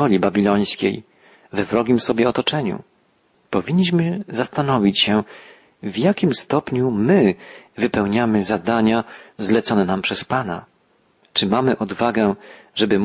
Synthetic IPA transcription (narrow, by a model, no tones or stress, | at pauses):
ɔlʲibabʲilɔj̃skʲḛj | vɛvɾɔɡʲimsɔbʲjɛɔt̪ɔt͡ʂɛɲṵ | pɔvʲiɲːiɕmɘzast̪anɔvʲit͡ɕɕɛ | vjakʲimst̪ɔpɲumɘvɘpɛwɲamɘzad̪aɲazlɛt̪sɔnɛnampʂɛspana̰ | t͡ʂɘmamɘʔɔd̪vaɡɛʐɛbɘm